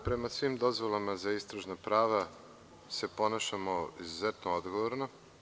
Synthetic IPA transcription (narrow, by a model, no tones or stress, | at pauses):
pɾe̞masʋiːmd̪o̞zʋo̞lˠamazaist̪ɾaʒnapɾaːʋa | se̞po̞naːʃamoizuzet̪nood̪ɡoʋoɾno